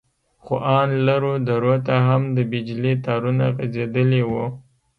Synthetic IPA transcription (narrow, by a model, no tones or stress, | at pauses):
xoʔɑnlaɾod̪aɾot̪aɦamd̪əbɪd͡ʒlit̪ɑɾunaɣazed̪əlewo